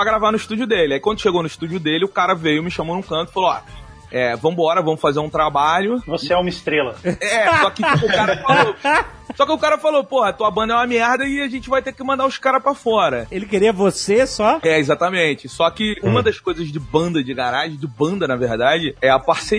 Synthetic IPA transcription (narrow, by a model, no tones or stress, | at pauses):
pɾɐɡɾavanʊiʃt̪ud͡ʒʊd̪elɪaikwɐ̃nd̪ʊʃeɡownʊiʃt̪ud͡ʒʊd̪elɪʊkaɾɐvejʊmɪʃɐ̃monũkɐ̃nt̪ʊ̥ɪ̥faloa̰ | ɛvɐ̃mʊbɔɾɐvɐ̃mʊfazeɾũt̪ɾabaʎʊvoseɛũmɐɪst̪ɾelɐɛsɔkɪʊkaɾɐfalo | sɔkɪʊkaɾɐfalopohɐt̪uɐbɐ̃nd̪ɐɛũmɐmɛhd̪ɐɪaʒẽnt͡ʃɪvajt̪ekɪmɐ̃nd̪aʊskaɾɐpɾafɔɾɐelɪkeɾiɐvosesɔɛezat̪ɐmẽt͡ʃɪsɔkɪũmɐd̪ɐʃkojzɐzd͡ʒɪbɐ̃nd̪ɐd͡ʒɪɡaɾaʒɪ̃d͡ʒɪbɐ̃nd̪ɐnɐvehd̪ad͡ʒɪɛɐpaɾse